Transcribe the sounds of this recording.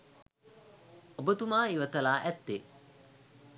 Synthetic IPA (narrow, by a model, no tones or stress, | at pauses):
obɐt̪umaːiʋɐt̪ɐlaːʔæt̪ːe